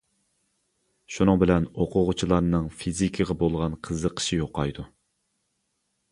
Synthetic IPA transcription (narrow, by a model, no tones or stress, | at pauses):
ʃunɨŋbɪlɛnoqʰʊʁʊt͡ʃʰilˠɑɾnɨŋfizikʲʰiʁɛbolˠʁɑnqʰəzːəqʰə̥ʃijoqʰɑjd̪u